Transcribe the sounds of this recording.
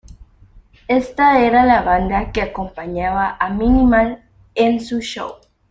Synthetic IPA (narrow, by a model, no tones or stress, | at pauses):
est̪aeɾalaβand̪akeakompaɲaβaʔaminimal | ensuʃo̰w